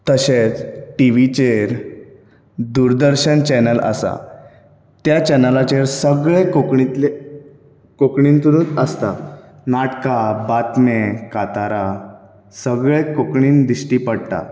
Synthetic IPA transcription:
t̪əɕet͡sʈiʋit͡ɕeɾ | d̪uɾd̪əɾɕənt͡ɕɛnələ̰sa̰ | t̪jat͡ɕɛnəlat͡ɕeɾsəɡɭekokɳi | kokɳiːnt̪uɾũːt̪əst̪a̰naʈkabat̪mekat̪aɾa | səɡɭekokɳiːnd̪iɕʈiːpəɽt̪a̰

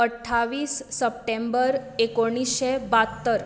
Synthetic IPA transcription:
əʈʰːaʋiːsːəp̚ʈembəɾekoɽ̃isɕebat̪ːəɾ

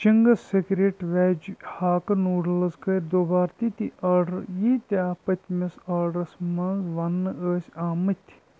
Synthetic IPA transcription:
t͡ʃiŋɡɐsekɾeːʈʋɛːd͡ʒhaːkɐnuːɖlɐzkəɾd̪oːbaːɾt̪it̪iʔɐːɖɾjit̪ʲaːpɐt̪ʲmesaːɖɾɐsmɐnzʋɐnːɨəːsʲaːmɐt̪ʲʰ

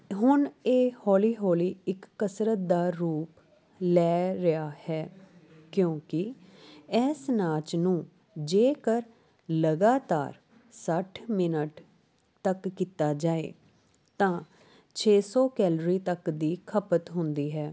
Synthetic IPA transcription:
ɦʊneːhɔːliːɦɔːliːɪkːəsɾət̪̚d̪aːɾuːp | lɛːɾɪaːhɛː | kjõːkɪ | ɛːsnaːt͡ʃnũː | d͡ʒeːkəɾ | ləɡaːt̪a̰ːɾ | səʈʰmɪnəʈ | t̪əkːit̪aːd͡ʒaːḛː | t̪ãː | t͡ʃʰeːsɔːkɛːlɾiːt̪əkd̪iːkʰəpət̪ɦʊnd̪iːɦɛː

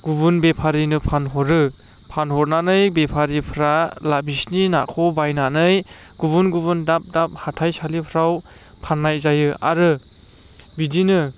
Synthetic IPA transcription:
ɡ̥ubunbepʰaɾinɯpʰanɦɔɾɯ | pʰanhɔɾnanɯjbepʰaɾipʰɾalabisnina̰kʰɔbajnanɯj | ɡ̥uβunɡubundap̚dap̚hatʰajsalipʰɾaw | pʰanːajzajɯa̰ɾɯ | bidinɯ

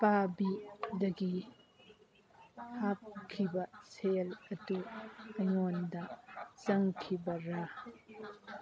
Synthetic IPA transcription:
pabidɐɡi | hap̚kʰibɐselɐduɐjŋondɐt͡ʃɐŋkʰibɐɾa

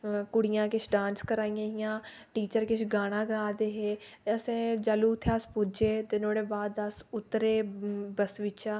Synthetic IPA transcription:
kʊɽɪjãːkɪt͡ʃʰɖãːnskəɾaːiːjãːɪjãː | ʈiːt͡ʃəɾkɪt͡ʃʰɡaːɽ̃ãːɡaːd̪eːɦeːeəsẽːd͡ʒaːluːt̪ʰːaːspʊd͡ʒeːd̪ɪnoːɽeːbaːd̪asʊt̪ːɾeːbəsʋɪt͡ʃaː

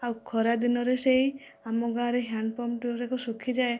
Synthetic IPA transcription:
awkʰɔɾad̪inɔɾesej | amɔɡaɾeɦjanpɔmʈuɾekɔsukʰid͡ʒae

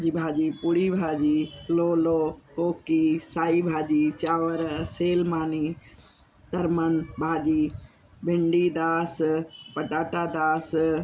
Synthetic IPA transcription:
d͡ʒiːbʱaːd͡ʒiːpʊɽiːbʱaːd͡ʒiːloːloːkoːkisaːiːbʱaːd͡ʒiːt͡ʃaːʋəɾseːlmaːniː | t̪ɐɾmənbʱaːd͡ʒiː | bɪɳɖiːd̪aːspəʈaːʈaːd̪aːs

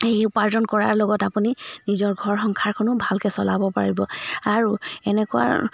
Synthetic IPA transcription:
ejupaɹzɔnkɔɹaɹlɔɡɔtapuninizɔɹɡʱɔɹxɔŋkʰaɹkʰɔnʊbʱalkɛsɔlabɔpa̰ɹibɔaɹuɛnɛkʊa̰

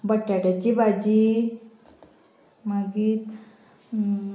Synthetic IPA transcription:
bəʈːjaʈat͡ɕibad͡ʑi | maɡiːt̪

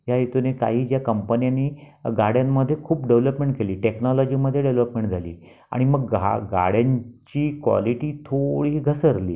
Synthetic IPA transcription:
jajet̪uneka̰ɦiːd͡ʑjakəmpənjanːiːɡaɽjamːəd̪ʱːjekʰuːpɖeʋləpmẽɳʈkeliːʈeknɔlɔd͡ʑiməd̪ʱːjeɖeʋləpmẽɳʈd͡zʱalḭː | a̰ɽ̃iməɡɡaɡa̰ɽjaɲt͡ɕiːkʋɔ̰liʈiːt̪ʰoɽiːɡʱəsəɾlḭː

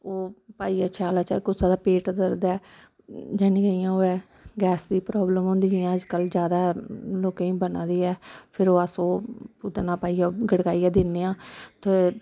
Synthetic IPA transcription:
oːpaːiːaːt͡ʃʰaːlaːt͡ʃɛːkʊsaːd̪aːpeːʈd̪əɾd̪aː | d͡ʒaːnĩːɡəiːãːoːɛː | ɡɛːsd̪iːpɾɔːbləmɦõːnd̪iːd͡ʒiãːəd͡ʒkəld͡ʒjaːd̪aːloːkẽːĩːbənãːd̪iːɛːpʰɪɾoːəsoːput̪nãːpaːiːaːɡəɽkaːiːaːd̪ɪnːeːãːt̪e

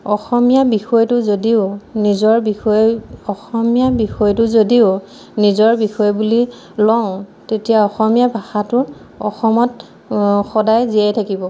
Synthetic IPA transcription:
ɔxɔmijabixɔjtʊzodiʊnizɔɹbiɔɔxɔmijabixɔjtʊzodiʊ | nizɔɹbixɔjɔbuli | lɔʊ̃tetijaɔxɔmijabʱaxatʊɹ | ɔ̰xɔmɔt | xɔdajziajtʰakibɔ

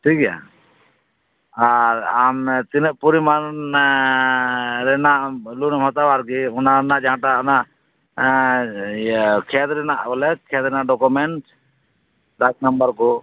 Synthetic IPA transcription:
ʈʰikɛja̰ | aɾamt̪inəʔpuɾiman | ɾɛnaʔlunmɔt̪abaɾkiɔnanaʔd͡ʒãʈaɔnaʔ | kʰɛt̪ɾɛnaʔbɔlɛkʰɛt̪ɾɛnaʔɖɔkumɛɳʈ | ɖak̚nambaɾkɔ

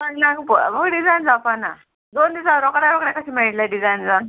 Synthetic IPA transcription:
anakpməɡɖid͡zajnd͡zapana | d̪ond̪isaɾɔkɽaɾɔkɽakəsimaiʈlaɖid͡zajnd͡za

